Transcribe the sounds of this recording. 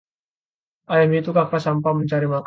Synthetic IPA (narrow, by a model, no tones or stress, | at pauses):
ʔajamit̪ukakasampaməɲt͡ʃaɾimak